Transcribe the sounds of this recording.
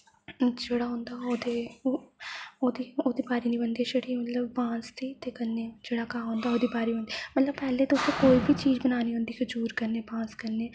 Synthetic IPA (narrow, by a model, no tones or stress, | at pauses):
d͡ʒeːɽaːɦõːnd̪aːoːd̪e | oːd̪iːoːd̪iːbaːɾinĩbənd̪eʃeɽimət̪ləbbãːst̪iːt̪ekɐɾneːd͡ʒeːɽakaːɦõːnd̪aːoːd̪ibaːɾiə̃nd̪imɐt̪ləb̚pɛːlet̪oːst̪õkoːibʱit͡ʃiːd͡ʒbənaːniɦõːnd̪iːked͡ʒuːɾkəɾneːbãːskɐɾneː